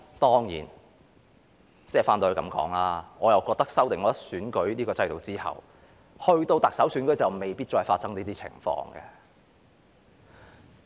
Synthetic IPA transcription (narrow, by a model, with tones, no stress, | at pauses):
t̪ɔː˥ŋjḭː˨˩n | t͡sɛː˥˩faː˥nː˧˨˧kɐ˨˥mkɔ̰ː˨˥ŋlaː˧ŋɔː˨˧jɐ˨˩wkɔː˧k̚t̪ɐ˥k̚sɐ˥wt̪ɪ˨ŋɔː˨˧tɐ˥syː˨˥nkɵ˨˥ɥniː˥kɔː˧t͡sɐ˧jt̪o˨wt͡siː˥hɐ̰˨w | hɵ˧ɥt̪o˧wt̪ɐ˨k̚sɐ˨˥wsyː˨˥nkɵ˨˥jt͡sɐ˨wme˨˩jpi˥t̚t͡ʃɔː˧jfaː˧t̚sɐ˥ŋniː˥t̪iː˥t͡sʰɪ̰˨˩ŋfɔ̰ː˧ŋɡɛ̰˧